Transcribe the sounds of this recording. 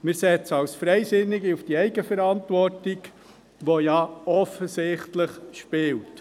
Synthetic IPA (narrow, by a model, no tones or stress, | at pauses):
mɪɾsɛt͡səɑwsfɾɛjsɪnːɪɡiufd̥iɛɪɡəfɛɾɑntʋɔrtiɡ | ʋojɑɔfəsɪχtləχʃpɪlt